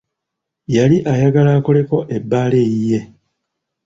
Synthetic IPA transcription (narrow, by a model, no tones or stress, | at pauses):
jaliʔajaɡalaːko̞le̞ko̞ʔe̞bːaːle̞jije̞